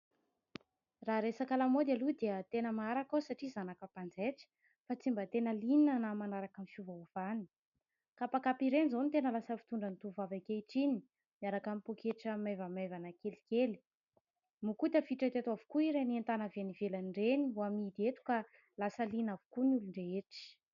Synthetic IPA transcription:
raɾesakalamod̪alud̪eət̪enəmaaɾakawsaʈ͡ʂizanakəpand͡zeʈ͡ʂə̥ | fat͡simbət̪enəlininənamanaɾakamifuvaav̥ani̥ | kapakapiɾenizonit̪enəlasəfi̥t̪uɳɖ͡ʐənit̪uvavakeiʈ͡ʂini | miaɾakamipokeʈ͡ʂəmevəmevanəkeli̥keli̥ | mukut̪afiʈ͡ʂət̪et̪uavu̥kuiɾeniant̪anavenivelanɳɖ͡ʐeniɦuamid̪iet̪u̥ka | lasəlinavu̥kunuluɳɖ͡ʐeeʈ͡ʂi̥

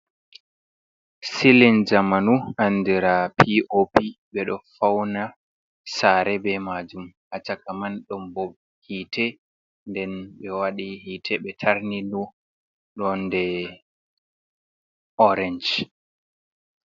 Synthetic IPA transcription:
silind͡ʒamanuandiɾapʰiʔopiɓɛɗɔfawna | saɾɛbɛmad͡ʒumʔat͡ʃakamanɗɔmbɔɓ | hiːtʰɛ | ndɛnɓɛwaɗihitʰɛɓɛtʰaɾninu | ɗɔndɛ | ʔɔɾɛɲd͡ʒ

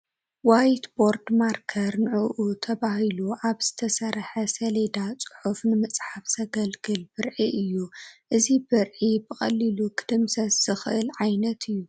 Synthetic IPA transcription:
wajt̪bo̞ɾd̪maɾkʰɐɾnɨʕuʔut̪ʰɐβahiluʔaβz̥ɨt̪ʰɐsɐɾħɐsɐled̪at͡sʼʊ̥ħufnɨmɨt͡sʼħafsʰɐɡɐlɡɨlbɨɾʕiʔɨjːuʔɨzibɨɾʕibɨχʼɐlːilukʰɨ̥d̪̥ɨmsɐsz̥ɨxɨʔɨlʕajnɐt̪ʰɨjːu

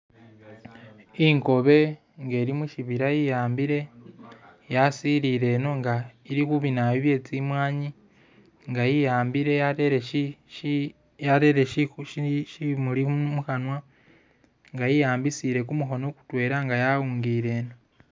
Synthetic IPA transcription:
iŋko̞βe̞ | ŋɡe̞ːɾimuʃiβiɾajijaːmbiɾe̞ | jasiɾiɾe̞ːno̞ŋɡaiɾikuβinaβiβje̞ːt͡simwaːɲi | ŋɡajijaːmbiɾe̞jaɾeɾei | jaɾeɾeʃʃʃimulimuxanwa | ŋɡajijaːmbisiɾe̞kumuɦo̞no̞ku̥twe̞ːɾaŋɡajauːŋɡiːɾe̞ːno

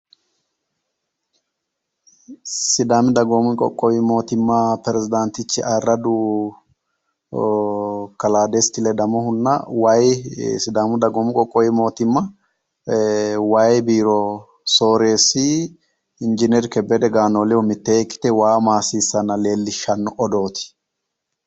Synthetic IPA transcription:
sɪd̪aːmɪd̪ɐɡomɪkʼɔ̰kʼːɔwɪmo̞ːt̪ɪmːɐpɛɾɛzɪd̪ant̪ɪt͡ʃːɪʔɐrːɐd̪ʊ | kɐlaːd̪est̪ɪlɛd̪ɐmɔhʊnːɐwajsɪd̪aːmʊd̪ɐɡɔːmɪkʼɔkʼːɔwɪmo̞ːt̪ɪmːɐ | wajbiːɾɔ | so̞ːɾeːsɪ | ɪnd͡ʒɪnɛɾkɛbːɛd̪ɛɡaːnoːlɪwɔmɪt̪ːɛɛkːɪ̥t̪ɛwaːmaːsiːsːɐnːɐle̞ːlːɪʃːɐnːɔʔɔd̪o̞ːt̪ɪ̥

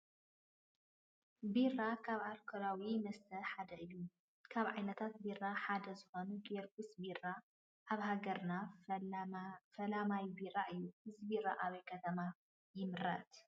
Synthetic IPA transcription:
birakʰaβaɾkʰoɾawimɐst̪ʰɐħad̪ɐʔɨju | kʰaβʕajnɐt̪ʰat̪̚birːaħad̪ɐzɨxonuɡeɾɡusbira | ʔaβhaɡɐɾna | fɐlamajbiɾaʔɨjːuɨzibiɾa̰ʔaβɐjkʰɐt̪ʰɐma | jɪmɨɾɐ̰t̪

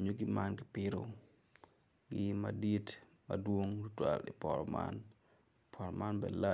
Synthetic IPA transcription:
ɲoɡimanɡɪpɪɾo̰ | ɡɪmaditmɐ̰dwoŋtutwalipɔɾɔma̰n | pʰɔɾɔmanbɛla

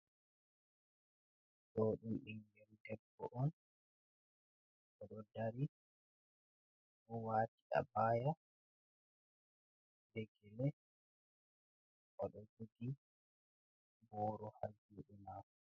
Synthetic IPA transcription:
dɔːɗumɗiŋɡɛɾdɛbːɔʔɔn | ʔɔɗɔdaɾi | ʔɔwaːtiʔa̰baːja | dɛɡɛlɛ | ʔɔɗɔd͡ʒudi | bɔːɾɔhaɾd͡ʒuɗɛmaːf

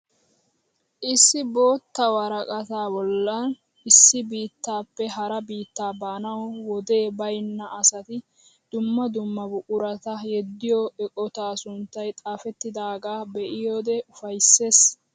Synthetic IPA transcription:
ʔɪsːɪbo̞ːt̪ːɐwɐɾɐkʼɐt̪aːbɔlːɐn | ɪsːɪbiːt̪ːaːpːɛɦɐɾɐbiːt̪ːaːbaːnɐwwɔd̪e̞ːbɐjnːɐʔɐsɐt̪ɪ | d̪̥ʊmːɐd̪ʊmːɐbʊʔʼʊɾɐt̪ɐjɛd̪ːɪjɔɛkʼɔt̪aːsʊnt̪ːɐjt̪ʼaːfɛt̪ːɪd̪aːɡaːbɛʔɪjoːd̪ɛʊfɐjsːe̞ːs

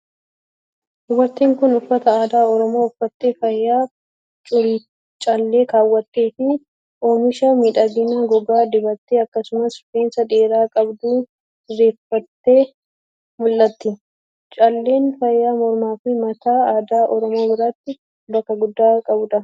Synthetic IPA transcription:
ʔʊwɐt̪ːiːŋkʊnʊfːɐt̪ɐaːd̪aːɔɾɔmo̞ːʊfːɐt̪ːeːfɐjːaː | t͡ʃʼʊl | t͡ʃʼɐlːe̞ːkaːwːɐt̪ːe̞ːfɪ | oːmɪʃɐmiːᶑɐɡɪnaɡɔɡaːd̪ɪbɐt̪ːeːɐkːɐsʊmɐsʊfeːnsɐᶑ̪eːɾaːkʼɐbd̪uː | ɪrːe̞ːfːɐt̪ːe̞ː | mʊlːɐt̪ːɪ | t͡ʃʼɐlːe̞ːnfɐjːaːmɔɾmaːfɪmɐt̪aːaːd̪aːʔɔɾɔmo̞ːbɪɾat̪ːɪ | bɐkːɐɡʊd̪ːaːkʼɐbʊᶑ̪ɐ

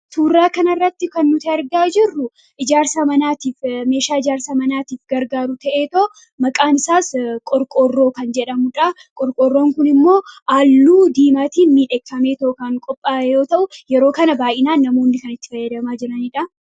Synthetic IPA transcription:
t̪uːrːaːkɐnɐrːɐt̪ːɪkɐnːʊt̪ɪɐɾɡaːd͡ʒɪrːʊ | ʔɪd͡ʒaːɾsamɐnaːt̪iːfme̞ːʃaːɪd͡ʒaːɾsaːmɐnaːt̪iːfɡɐɾɡaːɾʊt̪ɐʔeːt̪oː | mɐkʼaːnɪsaːskʼɔɾkʼoːrːo̞ːkɐnd͡ʒɛᶑɐmʊᶑɐ | kʼɔɾkʼoːrːo̞ːŋkʊnɪmːo̞ːʔaːlːuːd̪iːmaːt̪iːnmiːᶑɛkːɐmeːt̪okɐŋkʼɔpʼːaːjo̞ːt̪ɐʔʊjɛɾo̞ːkɐnɐbaːʔɪnaːnːɐmo̞ːnːɪkɐnɪt̪ːɪ̥fɐjːɐd̪ɐmaːd͡ʒɪɾɐniːᶑɐ

